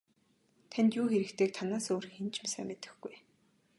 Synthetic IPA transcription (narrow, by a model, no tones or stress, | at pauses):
t̪ʰænʲt̪juːxeɾɘ̆kt̪ʰeːk̚t̪ʰanaːsoːɾixent͡ɕmasæ̰ːmet̪ɘ̆xɡuj